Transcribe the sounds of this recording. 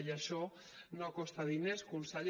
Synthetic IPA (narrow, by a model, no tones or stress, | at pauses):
jaʃɔ | nokɔst̪aðineskunsaʎ